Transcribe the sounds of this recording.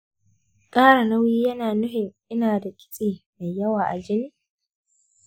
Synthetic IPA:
kʼaː˦ɽa˨nɐ˦wiː˦jɐ˦naː˨nʊ˦ɦɪ˨ŋʔɪ˦naː˨da˨kʲʼɪ̥˦sʼeː˨ma˨jjɐ˦waː˨ʔa˨d͡ʒɪ˦niː˦

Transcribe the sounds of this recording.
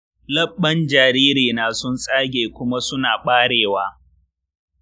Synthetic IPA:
lɐ˦ɓːɐ˦nd͡ʒaː˨ɾiː˦ɾiː˨naː˨sʊ˦nsʼaː˦ɡʲeː˨kʷʊ˦ma˦sʊ˦naː˨ɓaː˦ɽeː˨waː˦

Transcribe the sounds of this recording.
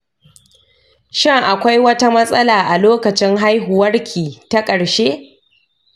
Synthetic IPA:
ʃɪ˦ŋʔa˨kʷa˦jwɐ˦ta˦mɐ˦sʼɐ˦laː˨ʔa˨loː˦kɐ˨t͡ʃɪ˦ŋɦa˦jɦʊ˨wɐ˦rkʲʰiː˨ta˦kʼɐ˨ɽʃeː˦

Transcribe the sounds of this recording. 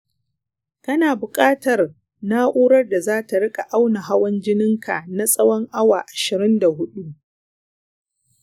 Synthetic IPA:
kɐ˦naː˨bʊ˨kʼaː˦tɐ˨r | naː˦ʔuː˦ɾɐ˦rda˨zaː˦ta˨ɽɪ˦kʼa˨ʔa˦wna˨ɦa˦wɐ˦nd͡ʒɪ˦nɪ˦ŋkʰa˨na˦sʼɐ˦wɔ˦ŋʔa˦waː˨ʔa˨ʃɪ˨ɾɪ˦nda˨ɦʊ˦ɗu˦ʔ

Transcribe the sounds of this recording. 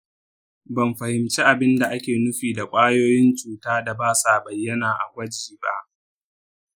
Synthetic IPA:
bɐ˨mɸɐ˨hɪ˨mt͡ʃeː˦ʔa˨bɪ˦nda˨ʔa˦kʲeː˨nʊ˦ɸiː˨da˨kʷʼaː˦joː˦jɪ˦nt͡ʃʼuː˨taː˦da˨baː˦saː˨bɐ˨jːɐ˦naː˨ʔa̰˨ɡʷɐ˦d͡ʒiː˨ba̰˦ʔ

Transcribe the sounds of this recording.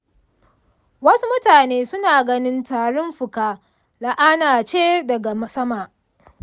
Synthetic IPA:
wɐ˦su˦mʊ˦taː˨neː˦sʊ˦naː˨ɡɐ˦nɪ˦ntaː˨ɽɔ˦mɸʊ˨kaː˦ | la˨ʔaː˦naː˨t͡ʃeː˦dɐ˨ɡa˨mɐ˦sɐ˦maː˨

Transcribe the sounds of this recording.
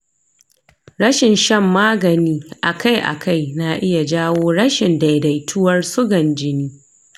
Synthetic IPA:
ɾɐ˦ʃɪ˨nʃɐ˦mːaː˦ɡɐ˨niː˦ʔa˨ka˦jʔa̰˨kʰa˦˨jna˨ʔɪ˦ja˨d͡ʒaː˦woː˦ɽɐ˦ʃɪ˨nda˨jda˨jtʰʊ˦wɐ˦rsʊ˦ɡɐ˨nd͡ʒɪ˦niː˦

